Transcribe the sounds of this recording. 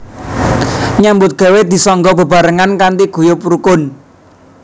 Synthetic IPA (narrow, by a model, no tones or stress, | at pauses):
ɲambʊt̪̚ɡ̥e̤wed̪i̤sɔŋɡɔbə̤baɾəŋankant̪iɡ̥ṳjopuɾukʊn